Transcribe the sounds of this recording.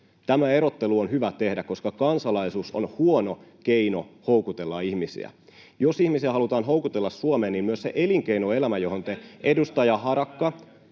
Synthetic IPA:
t̪æmæe̞ɾot̪ːeluonhyʋæt̪e̞hdækko̞skɑkɑnsɑlɑisuːso̰nhuonok̟eino̰howkut̪e̞lːɑihmisḭæ̰ | josihmisiæɦɑlut̪ɑːnɦowkut̪elːɑsːuomeːnimmyøssḛʔeliŋke̞inoe̞læmæjo̞ɦont̪eʔedust̪ɑjɑɦɑɾɑkːɑ

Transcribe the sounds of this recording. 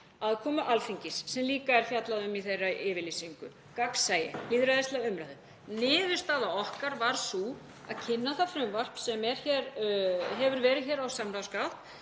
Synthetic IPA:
aðkʰɔːmʏʔalfiɲcɪsːɛmliːkaɛɾ̥fjat̪laðʏmiθejraʔɪːvɪlisiŋkʏ̰ | kaksaːjɪ̰liːðɾaðɪst̪laʏmɾahðʏ | nɪːvɪ̥st̪aːðaɔhkaɾvaɾ̥su | aðcʰɪnːaθafɾʏmvar̥psɛmɛɾ̥çɛɾɦɛvʏɾvɛːɾɪðçɛːɾawsamɾawskaft̪

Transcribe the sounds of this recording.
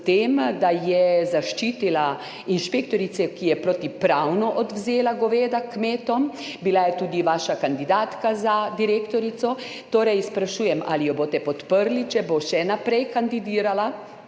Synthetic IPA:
t̪emd̪ajɛzaʃt͡ʃiːt̪ila | inʃpekt̪ɔɾit̪sɛkijɛpɾot̪ipɾawnɔʔɔd̪wzeːlaɡɔʋeːd̪akmeːt̪ɔmbilajɛt̪uːd̪iʋaːʃakand̪id̪aːt̪kazad̪iɾekt̪ɔɾit̪sɔ | t̪oːɾɛjspɾaʃuːjɛma̰lijɔboːt̪ɛpɔt̪pəɾlit͡ʃɛboʃɛnapɾɛjkand̪id̪iːɾala

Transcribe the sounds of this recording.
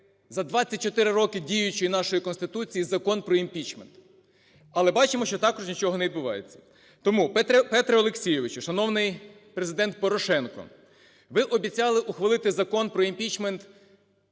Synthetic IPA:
zɐd̪ʋɑt͡sʲːɐt̚ʲt͡ʃɔt̪ɪɾɪɾɔkɪdʲijʊt͡ʃɔjinɑʃɔjikɔnst̪ɪt̪ut͡sʲijizɐkɔnpɾɔimʲpʲit͡ʃment̪ | ɐlˠɛbɑt͡ʃɪmɔʃt͡ʃɔt̪ɑkɔʒnʲit͡ʃɔɦɔneʋʲid̪bʊʋɑ̰jet͡sʲːɐ̥ | t̪ɔmupɛt̪ɛpɛt̪ɾɛɔlˠeksʲijɪʋɪt͡ʃʊʃɐnɔwnɪj | pɾezɪd̪ɛnt̪̚pɔɾɔʃɛnkɔ̰ | ʋɪʔɔbʲit͡sʲɑlˠɪʔʊxʋɐlˠɪt̪ɪzɐkɔnpɾɔimpʲit͡ʃment̪

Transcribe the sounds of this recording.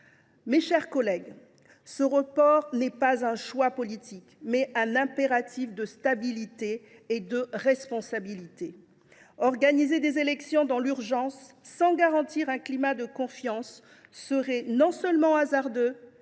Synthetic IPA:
meʃɛʁkɔlɛɡ | səʁəpɔʁnɛpazɛ̃ʃwapɔlit̪ikmɛʔɛ̃nɛ̃peʁat̪ifd̪əst̪abilit̪eːd̪əʁɛspɔ̃sabilit̪e | ɔʁɡanized̪ezelɛksjɔ̃d̪ɑ̃lyʁʒɑ̃sːɑ̃ɡaʁɑ̃t̪iʁɛ̃klimad̪əkɔ̃fjɑ̃sː | əʁɛnɔ̃sœlmɑ̃azaʁd̪ø

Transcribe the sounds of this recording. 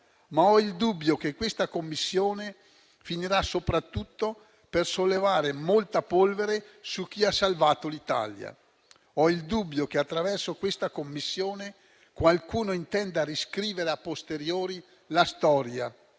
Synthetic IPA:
maɔild̪ubːjokekwest̪akomːisːjoːne | finiɾasopɾat̪ːut̪ːo | persolːevaːɾemolt̪apolveɾesuk̟ːiasːalvaːt̪olit̪a̰lja̰ | ɔild̪ubːjok̟eat̪ːɾavɛrsokwest̪akomːisːjoːne | kwalkuːnoint̪ɛnd̪aɾiskɾiːveɾeapːost̪eɾjoːɾi | last̪ɔːɾja

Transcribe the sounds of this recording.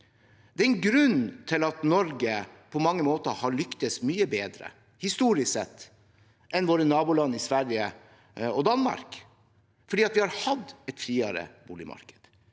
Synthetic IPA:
d̪̥ɛæɾɛnɡɾʉnt̪ʰɪlɑt̪nɔɾɡəpʰɔmɑŋːəmoːt̪əhɑɭʏkt̪əsmyːəbeːd̪ɾə̰ | hɪst̪uːɾɪsɛt̪ː | ʔɛnʋoːɾənɑːbʊlɑnːɪsʋæɾjə | ɔd̪ɑnmɑ̰ɾk | fɔɖiːɑt̪ʋɪhɑɾhɑd̪ɛt̪fɾiːɑɾə̰buːlɪ̰mɑ̰ɾkə̥d̪̥

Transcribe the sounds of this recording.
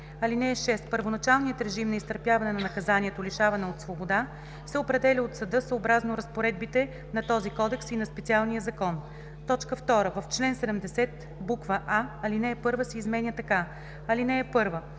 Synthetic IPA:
ɐlinɛɛʃɛst̪pəɾvonɐt͡ʃalˠnijət̪ɾɛʒimnɐist̪əɾpjavɐnɛnɐnɐkɐzaniɛt̪oliʃavɐnɛot̪svobod̪a | sɛopɾɛd̪ɛlʲiot̪sɐd̪ɤsoːbɾaznoɾɐspoɾɛd̪̚bit̪ɛ | nɐt̪ɔzikɔd̪ɛksinɐspɛt̪sialˠnijəzɐkɔn | t̪ɔt͡ʃkəft̪ɔɾəvɐft͡ʃlɛnsɛd̪ɛmd̪ɛsɛt̪ | bukvəʔaɐlinɛːpɤɾvəsɛizmɛnʲət̪ɐka | ɐlinɛːpɤɾvə

